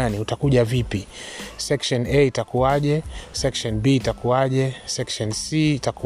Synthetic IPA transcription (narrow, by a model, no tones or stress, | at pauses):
aniutakuʄavipisɛkʃɔnɛitakuaʄɛsɛkʃɔnbiːtakuwaʄɛsɛkʃɔnsiːtaku